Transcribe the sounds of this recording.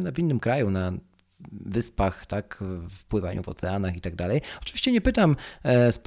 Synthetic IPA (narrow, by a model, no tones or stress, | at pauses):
navʲinːɘmkɾajuna | vɘspaxt̪akfpwɘva̰ɲʔṵvɔ̰t̪sɛanaxit̪aɡ̚d̪alɛjɔt͡ʂɨ̥vʲiɕt͡ɕɛɲɛpɘt̪amsp